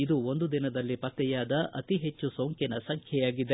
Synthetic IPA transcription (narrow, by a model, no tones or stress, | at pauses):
id̪uo̞nd̪ud̪inɐd̪ɐlːipɐt̪ːɛjaːd̪ɐʔɐ̰t̪iɦe̞t͡ʃːusoŋkinɐsɐŋkʰjɛjaːɡid̪e